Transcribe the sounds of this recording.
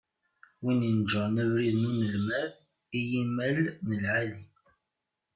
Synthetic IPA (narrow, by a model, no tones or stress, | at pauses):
winind͡ʒənəvɾiðnunəlmæð | ijimælnəlʕali